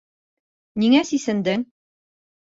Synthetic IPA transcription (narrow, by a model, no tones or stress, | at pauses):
niŋæsisɘ̆nd̪ɘŋ